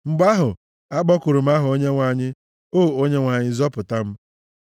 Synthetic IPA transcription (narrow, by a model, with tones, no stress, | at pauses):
ŋ͡m̩˨ɡ͡ba˦ɦʊ˨ | a˦ɡ͡bɔ˦kʊ˨ɾu˨m̩˦a˦ɦʊ˨o˦ɲe˦ŋʷa˨ɲɪ˦ | o˦˨o˦ɲe˦ŋʷa˨ɲɪ˦zɔ˦pʊ˨ta˦m̩˦